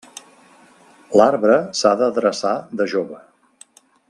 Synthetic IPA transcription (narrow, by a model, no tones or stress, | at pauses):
laɾβɾəsaðəðɾəsaðəʒoβə